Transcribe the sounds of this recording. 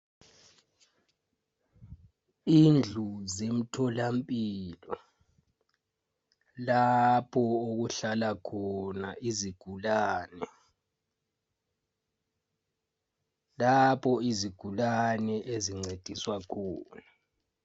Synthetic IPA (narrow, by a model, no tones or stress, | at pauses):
ind͡ɮʱuzem̩tʰɔlampʼilɔ | lapʰɔoɣuɬalakʰɔnaʔiziɡ̥ʱulaːnɛ | lapʰɔiziɡ̥ʱulanɛʔeziŋ͡ǀed̥ʱiswakʰɔːna